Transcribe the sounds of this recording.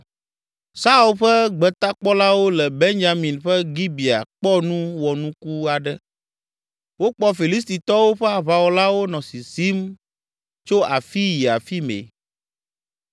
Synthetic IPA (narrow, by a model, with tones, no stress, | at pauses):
sa˦u˨lɸɛ˦ɡ͡bɛ˨t̪a˦k͡pɔ˦la˦wo˦lɛ˨be˦ɲd͡ʒa˨mĩ˨nɸɛ˦ɡi˦bi˨a̰˨k͡pɔ˦nũ˦wɔ˨nũ˦ku˦a˨ɖɛ˦ | wo˦k͡pɔ˦fi˨li˦s̬t̪i˨t̪ɔ˦wo˦ɸɛ˦a˨βa˨wo˦la˦wo˦nɔ̃˨si˨si˦m | t͡ʃo˦a˨fi˦ji˨a˨fi˦mḛ˨